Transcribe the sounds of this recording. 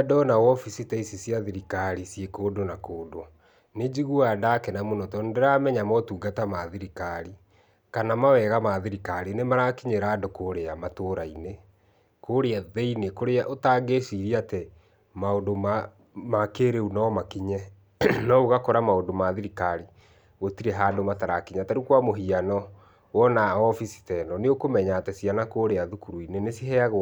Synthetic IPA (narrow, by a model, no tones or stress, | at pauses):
dɔnawɔfisitaisisjaðiɾikaɾisjekoːdonakoːdo | ned͡ʑiɣuadakɛnamonɔtɔndeɾaːmɛɲamɔtuːɡatamaðiɾikaɾi | kanamawɛɣamaðiɾikaɾinemaɾakiɲeɾaːdokoːɾeamatoːɾaine | koːɾeaðɛinekoɾeaʔotaɡeʃiɾiate | maondoma | makeːɾeunaɔmakiɲɛ | nɔuɣakɔɾamaodomaðiɾikaɾi | ɣotiɾɛɦaːdomataɾakiɲataɾukwamoɦianɔ | wɔnaɔfisi̥tɛnɔneokomɛɲaːtɛsianakoːɾeaðukuɾuinenesiɦɛaɣ